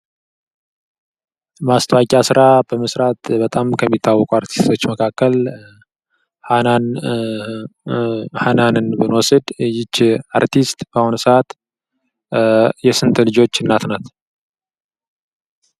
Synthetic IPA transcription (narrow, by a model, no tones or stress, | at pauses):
mast̪ʰəwakʼjasɨɾabəməsɾat̪bət̪ʼamkʰəmːit̪ʰːawːɔkʼuaɾt̪ʰi̥st̪ʰo̞t͡ʃːməkʰakːəl | hanan | hananɨnbɨnwɔsɨd̪jɪt͡ʃːaɾt̪ist̪bəhonsat̪ | jɛsɨnt̪ʰʼlɨd͡ʒo̞t͡ʃːɨnːat̪nat̪